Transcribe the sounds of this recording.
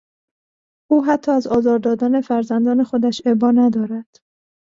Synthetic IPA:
ʔuːɦæt̪ʰːɒːæzɒːzɒːɾd̪ɒːd̪æːne̞fæɾzænd̪ɒːne̞xo̞d̪æʃebɒːnæd̪ɒːɾæd̪̥

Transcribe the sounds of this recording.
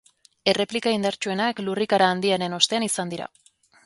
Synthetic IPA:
e̞re̞plikaind̪aɾt͡ʃue̞naklurikaɾaːnd̪iaɾe̞no̞st̪e̞anisand̪iɾa̰

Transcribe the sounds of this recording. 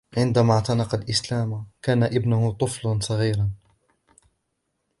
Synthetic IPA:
ʕɪnd̪amaːʕt̪ɑnɑqɑlʔɪslaːmkaːnaʔɪbnʊhʊt̪ˤʊflansˤɑɣiːɾa

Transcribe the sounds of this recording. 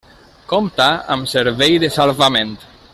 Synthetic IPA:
komt̪aa̰mseɾβejðesalβamẽnt̪

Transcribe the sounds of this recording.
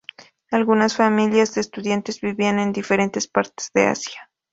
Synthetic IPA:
alɣunasfamiljazðeːst̪uðjant̪ezβiβiane̞nd̪ife̞ɾe̞nt̪e̞spaɾt̪e̥z̥ðe̞̰a̰sja

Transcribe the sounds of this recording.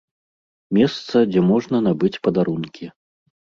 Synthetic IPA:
mʲɛst̪sɐd͡zʲɛmɔʐnɐn̪abɨt͡sʲpɐd̪aɾunkʲʰi

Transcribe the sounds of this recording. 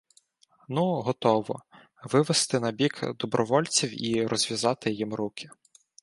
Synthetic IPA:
nuɦɔt̪ɔʋɔ̰ | ʋɪʋest̪ɪnɐbʲikd̪ɔbɾɔʋɔlʲt͡sʲiwiɾɔzʲʋʲjɐzɑt̪ɪjimɾukʲʰɪ̥

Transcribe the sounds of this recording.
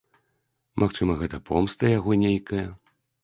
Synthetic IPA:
mʔaxt͡ʂɨmɐɣɛt̪ɐpʰɔmst̪ɐjaɣɔnʲejkɐjɐ

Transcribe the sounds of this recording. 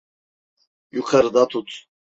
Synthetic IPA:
juqʰɛɾd̪at̪ʰut̪ʰʼ

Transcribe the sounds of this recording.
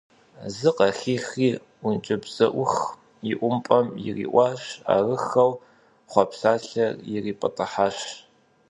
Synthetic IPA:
zɨqɐxiːxiː | ʊnt͡ʃʼɪbz̥ɐʔʷʊx | jɪʔʷʊmpʼɐmjɪ̰rḭːʔʷɑːʃa̰ːrɨxɐw | χʷɑpsaːɬɐrjɪriːpʼɐtʼɨħaːʃ

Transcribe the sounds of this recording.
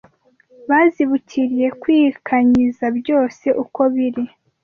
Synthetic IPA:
βaːziβucʰiɾije̞kwiːkʰaɲizabjo̞ːse̞ʔuko̞βiɾi

